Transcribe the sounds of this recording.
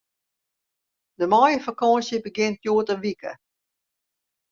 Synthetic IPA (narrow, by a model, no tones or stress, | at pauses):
dəmɔjəfakɔnsjəbəɡɪnt̚juːətənʋikʰə̰